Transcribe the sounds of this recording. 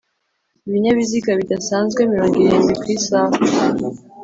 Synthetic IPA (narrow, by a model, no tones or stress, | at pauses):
iβiɲaβiziɡaβidasaːnzɡwe̞miɾo̞ːŋɡiɾeːnɡwikwiːsaːe